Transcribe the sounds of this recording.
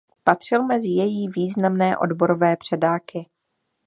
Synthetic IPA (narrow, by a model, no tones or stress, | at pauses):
pat̪r̝̥ɪlmɛzɪjɛjiːviːznamnɛːʔo̞̰dbo̞ɾo̞vɛːpr̝̥ɛdaːkɪ